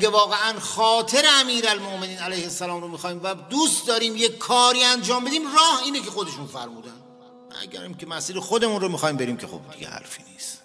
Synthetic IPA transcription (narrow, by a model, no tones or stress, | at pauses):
ɡevɒːɣeʔænχɒːt̪ʰe̞ɾeæmiːɾælmoʔme̞niːnælæjhesːælɒːmɾomixɒːiːmvæd̪uːst̪̚d̪ɒːɾiːmjekʰːɒːɾiːænd͡ʒɒːmbe̞d̪iːmrɒːhiːneke̞xo̞d̪e̞ʃunfæ̰ɾmuːd̪æn | æ̰ɟæ̰ɾicʰemæsiːɾexod̪e̞munromixɒːhiːmbe̞ɾiːmcʰexo̰b̚d̪iɟḛhæ̰ɾfḭːniːst̪